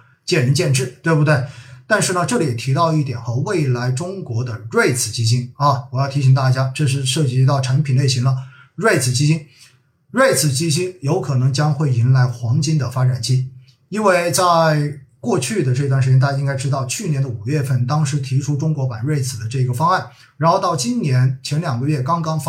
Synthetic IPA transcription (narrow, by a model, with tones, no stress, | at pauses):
t͡ɕjɛ˥˩nɻə˧˥nt͡ɕjɛ˥˧nʈ͡ʂɻ̩˥˩t̪we˥˧ɪbu˧t̪we˥˩ɪt̪a˥˧nʂɻ̩˥˩nə˩ʈ͡ʂɤ˥˩li˨˩jɛ˨˩t̪ʰi˧˥t̪ɑ˥˧ʊi˥˩t̪jɛ˨˩nxə˧we˥˩ɪla˧˥ɪʈ͡ʂʊ˥ŋkwɔ˧˥d̪ə˧ɻwe˥˩˧ɪt͡sʰɹ̩˨˩t͡ɕi˥ɕi˥ŋɐ˥˩wɔ˨˩jɑ˥˩ʊt̪ʰi˧˥ɕ̬i˨˩ŋt̪a˥˩t͡ɕja˥ʈ͡ʂɤ˥˧ʂ̬ɻ̩˥˧ʂɤ˥˩t͡ɕi˧˥t̪ɑ˥˩ʊʈ͡ʂʰa˧˥npʰi˨˩ne˥˩ɪɕi˧˥ŋlə˧ | ɻwe˥˧ɪt͡sʰɹ̩˨˩t͡ɕi˥ɕi˥n | ɻwe˥˩ɪt͡sʰɹ̩˨˩t͡ɕi˥ɕ̬i˥njo˧˥ʊkʰɤ˨˩nɤ˧˥ŋt͡ɕjɑ˥ŋxwe˥˩ɪi˧˥nla˧˥ɪxwɑ˧˥ŋt͡ɕi˥nd̪ə˨fa˥ʈ͡ʂa˨˩nt͡ɕi˥ | i˥nwe˥˧ɪt͡sa˥˧ɪɪkwɔ˥˧t͡ɕʰy˥˩d̪ə˩ʈ͡ʂɤ˥˧t̪wʂɻ̩˧jɛ˥t̪a˥˧ja˥i˥ŋka˥ɪʈ͡ʂɻ̩˥t̪ɑ˥˧ʊt͡ɕʰy˥˩njɛ˧˥nd̪ə˧u˨˩ɥɛ˥˧fə˥˩nt̪ɑ˥ŋʂɻ̩˧˥t̪ʰi˧˥ʈ͡ʂʰu˥ʈ͡ʂʊ˥ŋkwɔ˧˥pa˨˩nwe˥˩ɪt͡sʰɹ̩˨˩d̪ə˦ʈ͡ʂɤ˥˩i˧˥ɡə˧fɑ˥ŋa˥˩n | ɻa˧˥nxo˧ʊt̪ɑ˥˩ʊt͡ɕi˥nnjɛ˧˥nt͡ɕʰjɛ˧˥nljɑ˨˩ŋɡə˧˦ɥɛ˥˩kɑ˥ŋkɑ˥ŋf